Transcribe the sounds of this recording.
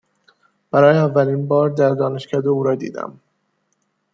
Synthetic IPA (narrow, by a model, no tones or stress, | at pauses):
b̥æɾɒːjeævːælinbɒːɾd̪æɾd̪ɒːne̞ʃkæːd̪euːɾɒːd̪ḭːd̪æ̰m